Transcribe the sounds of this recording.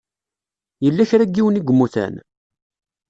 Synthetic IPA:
jəlːæçɾæɡːiwəniɡʷəmːuθæ̰n

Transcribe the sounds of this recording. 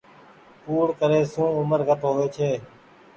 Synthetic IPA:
puːɽkəɾeːsũːʊməɾɡʱət̪ɦoːʋeːt͡ʃʰeː

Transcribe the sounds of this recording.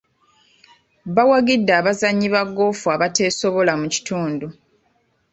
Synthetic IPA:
βawaɡidːaːβazaɲːiβaɡːo̞ːfuaβate̞ːso̞βo̞lamuci̥tuːndu

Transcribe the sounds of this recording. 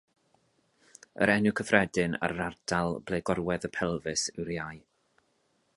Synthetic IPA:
ə̰ɾɛnʊkʰəfrɛdɨna̰ɾardʰalˠb̥lˠejɡɔɾwɛðəpʰɛlˠvɨsɪwrjaj

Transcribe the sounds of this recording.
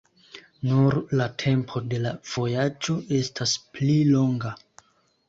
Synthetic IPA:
nuɾlatʰe̞mpʰo̞de̞lav̥o̞jad͡ʒo̞e̞stʰasplilo̞ŋɡa

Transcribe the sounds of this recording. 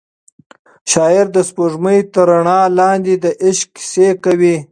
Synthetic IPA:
ʃɑːɪɾd̪əspoʐməjt̪əɾaɳɑːlɑːnd̪id̪əʔɪʃkːɪ̥sekawi

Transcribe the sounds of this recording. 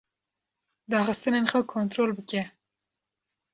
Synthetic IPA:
d̪ɑːxɨst̪ɨnenxɐkʰont̪ɾoːlbɨkʲɛ

